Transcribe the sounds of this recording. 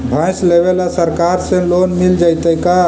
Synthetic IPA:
bʱãjslebelasəɾkaɾsẽlonmild͡ʒajt̪əjka

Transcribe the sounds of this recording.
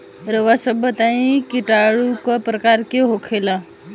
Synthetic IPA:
ɾəʋasəbʱət̪aĩkiʈaɽukɔpɾəkaɾkeɦokʰela

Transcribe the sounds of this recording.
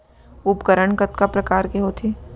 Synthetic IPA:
ʊpkəɾəɳkət̪kapɾɐkaːɾkeɦoːt̪ʰiː

